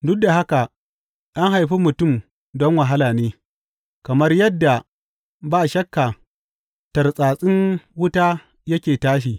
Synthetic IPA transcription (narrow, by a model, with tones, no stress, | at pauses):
dʊ˦k̚da˨ɦa˦ka˨ | ʔa˦ŋɦa˨jɸiː˦mʊ˨tʊ˦˨m | dɔ˦ŋwa˨ɦa˦laː˨neː˦ | kɐ˨mɐ˦rjɐ˦dːa˨ | baː˦˨ʃɐ˦kːa˨ | tɐ˨rsʼaː˨sʼɪ˦ŋwʊ˦taː˦ | jɐ˦kʲeː˨taː˦ʃ̬iː˨